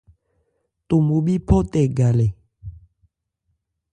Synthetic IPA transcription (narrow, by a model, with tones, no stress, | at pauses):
to˨mo˨ɓi˦pʰɔ˦tɛ˨ɡa˨lɛ˨